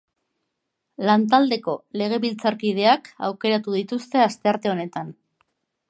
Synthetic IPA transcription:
lant̪̬ald̪e̞ko̞le̞ɣ̞e̞βilt͡saɾkið̞e̞aka̰wke̞ɾat̪uðit̪ust̪e̞ast̪e̞aɾt̪e̞o̞ne̞t̪an

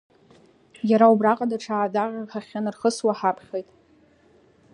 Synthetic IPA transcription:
jaɾaubraqʼadaʈ͡ʂʰaːdaʁʲaχaχʲanɨrχəswaħapʰχʲejtʼ

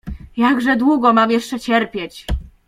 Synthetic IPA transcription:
jaɡʐɛd̪wuɡɔmamjɛʂt͡ʂɛt͡ɕɛɾpʲjɛt͡ɕ

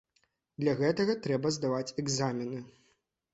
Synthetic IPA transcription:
d̪lʲɐɣɛt̪ɐɣɐt̪ɾɛbɐzd̪avat͡sʲɛɡzamʲinɨ

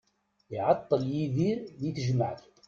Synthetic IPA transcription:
ɪʕɑt̪ˤːəljiðiɾðiθəʒmaʕt̪

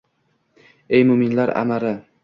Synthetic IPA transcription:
ejmʊmɪnlaɾa̰maɾɪ

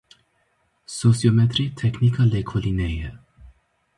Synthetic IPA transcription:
sosiomɛt̪ɾit̪ʰɛkʰnikʰəlɛkʰolinɛjɛ

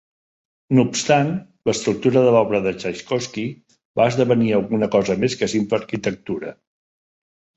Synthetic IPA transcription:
nupst̪an | ləst̪ɾuk̚t̪uɾəðəlɔβɾəðət͡ʃaʃkɔski | baəzðəβəniəlˠɣunəkɔzəmeskəsimpləːɾkit̪ək̚t̪uɾə̰

